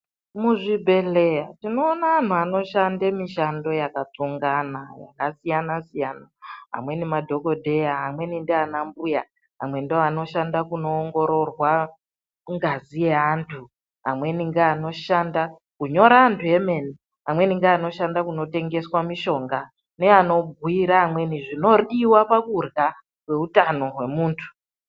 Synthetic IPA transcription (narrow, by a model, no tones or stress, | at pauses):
muʐibʱe̞le̞jatino̞ːnaan̤uano̞ʃandemiʃando̞jakat͡suŋɡanaja̰kasijanasijanaɦa̰mwe̞nimadʱo̞ko̞dʱe̞jaɦamwe̞nindeanambuja | ɦa̰mwe̞ndioano̞ʃandakuno̞ːŋɡo̞ɾo̞rwa | ŋɡazieantʰu | ɦamwe̞niŋɡaːno̞ʃanda | kuɲo̞ɾaːntʰue̞me̞ni | amwe̞niŋɡaːno̞ʃandakuno̞te̞ŋɡe̞swamiʃo̞ŋɡa | ne̞ano̞bʱuiɾaːmwe̞niʐino̞riwapakurɣa | kwe̞utano̞ɦwe̞muːntʰu̥